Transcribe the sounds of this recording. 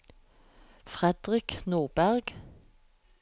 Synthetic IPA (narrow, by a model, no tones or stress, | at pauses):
fʁɛd̪ʁɪknoːʁbæʁɡ̥